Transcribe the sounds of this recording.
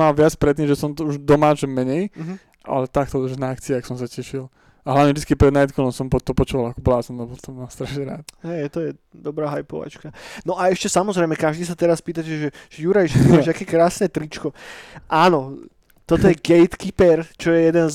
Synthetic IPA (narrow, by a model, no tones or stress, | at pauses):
malʋɪat͡spɾɛt̪̬ːimʒɛsɔmt̪ɔuʒd̪ɔmaːt͡ʃɛmɛɲɛjɦ | ʔa̰lɛt̪ak̚t̪ɔʒnaakt͡siɛaksɔmsacɛʃil | aɦlaʋɲɛvʒd̪it͡skipɾɛd̪najt̪kɔlɔmsɔmpɔt̪ɔpɔt͡ʃuʋalakɔblaːsɔnlɛbɔlt̪ɔmast̪ɾaʃɲɛɾaːt̪̚ɦɛjt̪ɔjɛ | d̪ɔbɾaːɦajpɔʋa̰t͡ʃkanɔʔaɛʃcɛsamɔzɾɛjmɛkaʒd̪iːs̬at̪ɛɾaspiːt̪̬acɛʒɛʒ̥ɛjuɾajʃɛʒakɛːkɾaːsnɛt̪ɾit͡ʃkɔʔaːnɔ | t̪ɔt̪ɔjɛɡɛjt̪kipɛɾt͡ʃɔjɛjɛd̪ɛnz